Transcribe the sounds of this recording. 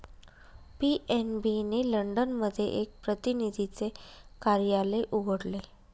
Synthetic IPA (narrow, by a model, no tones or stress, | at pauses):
piʔenbineləɳɖənməd̪ʱːjḛʔek̚pɾət̪inid̪ʱit͡sekaɾjaleʔuɡʱəɽle